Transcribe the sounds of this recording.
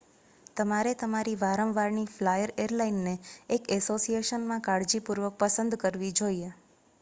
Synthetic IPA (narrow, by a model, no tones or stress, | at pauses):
t̪əmaɾet̪əmaɾiʋaɾəmʋaɾɳiflajəɾeɾlainːeːkɛsosieʃənmãkaɽd͡ʒipuɾʋək̚pəsənd̪kəɾʋid͡ʒoie